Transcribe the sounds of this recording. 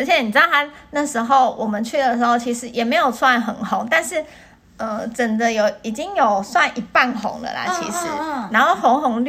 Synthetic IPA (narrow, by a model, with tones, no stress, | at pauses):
ə˧˥ɕʰjɛ˨˦ni˨˩ɻ̩˧˥ɑ˥˧a˥na˥˧ʂɻ̩˧˥xo˥˩ʊwʔɔ˨˩mə˦nt͡ɕʰy˥˩d̪ə˩ʂɻ̩˧˥xo˥˩ʊt͡ɕʰi˧˥ʂɻ̩˧˥jɛ˨˩me˧˥ɪjo˨˩ʊswa˥˩nxə˨˩nxo˧˥ŋt̪a˥˧nʂɻ̩˥˩ | ə˧˩ʈ͡ʂə˨˩nd̪ə˦jo˨˩ʊi˨˩t͡ɕi˦ŋjo˨˩ʊswa˥˩nʔi˨˩pa˥˩nxo̰˧˥ŋd̪ə̰˨lə̰˨˩t͡ɕʰḭ˧˥ʂɻ̩˧˦na˧˥no˥˩ʊxo˧˥ŋxo˧˥ŋl